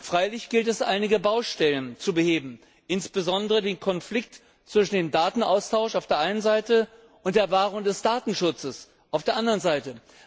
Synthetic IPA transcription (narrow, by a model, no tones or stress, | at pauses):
fʁ̥aɪlɪçɡ̥ɪltɛsʔa̰ɪnɪɡəbaʊʃtɛlənt͡subəheːbm̩ | ʔɪnsb̥əzɔndəʁədeːnkʰɔnflɪk̚t | t͡sv̥ɪʃn̩deːmdaːtn̩ʔa̰ʊstʰaʊʃaʊfd̥eːɐʔaɪnənzaɪtə | ʔʊntd̥eːɐvaːʁʊŋdɛsd̥aːtn̩ʃʊt͡səs | ʔaʊfd̥eːɐʔandəʁənzaɪtə